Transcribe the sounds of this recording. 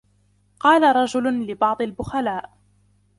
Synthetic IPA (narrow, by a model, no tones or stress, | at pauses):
qɑːlaɾˤɑd͡ʒʊlʊlɪbɑʕd̪ˤɑlbʊxalaːʔ